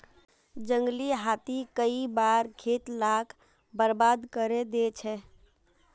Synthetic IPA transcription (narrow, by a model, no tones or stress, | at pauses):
d͡ʒəŋɡliɦat̪ikəibaɾɡʰʱet̪lakʰ | bəɾbad̪kəɾed̪et͡ʃʰɛ